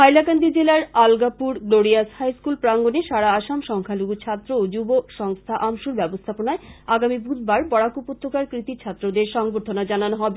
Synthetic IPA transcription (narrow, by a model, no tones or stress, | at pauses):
ajlakand̪id͡ʑelaɾalɡapuɾɡloɾiashajskulpɾaŋɡoneʃaɽaaʃamʃɔŋkʰaluɡut͡ɕʰat̪ːɾood͡ʑuboʃɔŋst̪ʰaʔamʃuɾbɛbost̪ʰaponaeaɡamibud̪baɾbɔɽakupot̪ʰːokaɾkɾit̪it͡ɕʰat̪ːɾod̪eɾʃɔŋboɾt̪ʰonad͡ʑananoɦɔbe